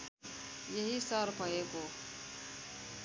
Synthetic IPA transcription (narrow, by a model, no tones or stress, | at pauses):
jɐɦisəɾpəekoː